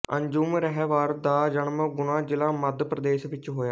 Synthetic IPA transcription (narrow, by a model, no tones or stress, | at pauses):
əɲd͡ʒuːmɾɛɦɛːʋaːɾd̪aːd͡ʒəɳməɡʊnãːd͡ʒɪlãːməd̪pɾəd̪eːsʋɪt͡ʃɦoːjaː